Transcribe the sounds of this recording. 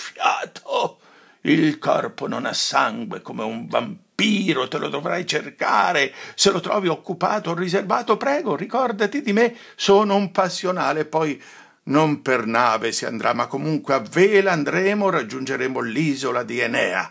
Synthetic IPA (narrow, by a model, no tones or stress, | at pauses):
fjaːt̪ʰo | ilkɔ̰rpono̰nasːaŋɡwḛkomeuɱbampiːɾot̪elʔo̰d̪ovɾajt͡ʃerka̰ːɾeselot̪ɾɔ̰ːviokːupaːt̪orːizervaːt̪opɾɛːɡorikɔrd̪at̪id̪ime | soːnoumpasːjonaːlepːɔj | nompernaːvesia̰nd̪ɾʔamːakːomuŋkweavːeːlaand̪ɾɛːmorad͡ʒːund͡ʒeɾɛːmoliːzolad̪ienɛːa̰